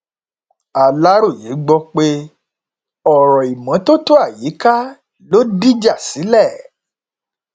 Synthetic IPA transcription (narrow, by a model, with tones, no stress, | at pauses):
a˨la˦ɾo˦˨je˨˦ɡ͡bɔ˧k͡pe˧ | ɔ˨ɾɔ˨i˨mã˨˦to˦to˦a˦˨ji˨˦ka˦ | lo˦di˦d͡ʒa˦˨si˨˦lɛ˦˨